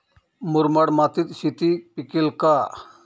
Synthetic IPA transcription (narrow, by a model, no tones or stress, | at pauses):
mʊɾmɐɽmat̪it̪ʃit̪ipikilka